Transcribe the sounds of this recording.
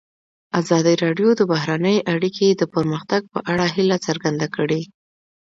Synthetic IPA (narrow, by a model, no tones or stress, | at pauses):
azɑd̪iɾɑɖjod̪əbaɦɾanəjʔaɽikʰed̪əpəɾməxt̪aɡ̚pəʔaɽaɦilat͡səɾɡand̪akəɽe